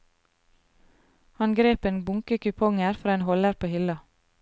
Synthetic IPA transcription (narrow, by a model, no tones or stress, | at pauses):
hɑnɡɾeːpeːnbʊŋkəkʏpʰɔŋəɾfɾɑːeːnhɔləɾpʰoːhɪlɑ